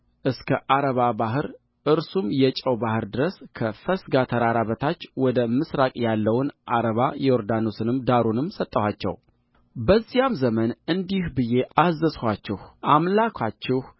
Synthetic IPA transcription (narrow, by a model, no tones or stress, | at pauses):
ʔɨskʰəʔaɾəβabaɦɨɾ | ʔɨɾsumjɛt͡ʃʼəwbahɨɾd̪ɨɾəskʰəfəsɡat̪ʰəɾaɾaβət̪ʰat͡ʃːwɔd̪əmɨsɾakʼjalːəwnʔaɾəβajɛɔɾd̪ano̞sɨnɨmd̪aɾunɨmsət̪ʼːəhat͡ʃːɛ̰w | bəzːijamzəmənɨnd̪ihbɨje̞ʔazːəshat͡ʃːɛhʔamlakʰʷat͡ʃːɛh